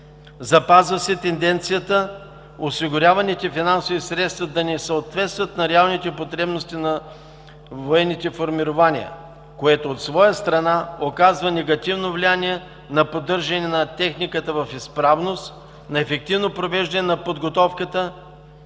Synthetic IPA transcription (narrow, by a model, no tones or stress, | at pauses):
zɐpazvəsɛt̪ɛnd̪ɛnt̪sijət̪ə | osiɡʊɾʲavɐnit̪ɛfinansovisɾɛt̪st̪vəd̪ɐnɛsəot̪vɛt̪st̪vət̪nɐɾɛalˠnit̪ɛpot̪ɾɛbnost̪inɐ | voɛnːit̪ɛfoɾmiɾovaniə̰ | koɛt̪oot̪svɔjəst̪ɾɐnaokazvənɛɡɐt̪ivnovlianiɛ | nɐpod̪ɤɾʒɐnɛnɐt̪ɛxnikət̪əvɐfispɾavnost̪ | nɐɛfɛk̚t̪ivnopɾovɛʒd̪ɐnɛnɐpod̪ɡot̪ɔfkət̪ə